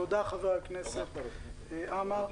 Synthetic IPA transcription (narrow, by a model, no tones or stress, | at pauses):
od̪aχaveʁaknɛset̪ | ʔamaʁ